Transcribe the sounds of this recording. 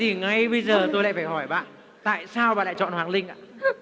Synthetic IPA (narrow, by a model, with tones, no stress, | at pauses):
t̪i˨˩ŋa˧jɓə˧jzəː˨˩t̪o˧jla̰ː˧˨jfaː˧˩jhɔ˧˩jɓa̰ː˧˨n | t̪a̰ː˧˨jsaː˧wɓaː˧˨laː˧˨t͡ɕɔ̰˧˨nhwaː˨˩ŋlï˧ŋ̟ʔa̰ː˧˨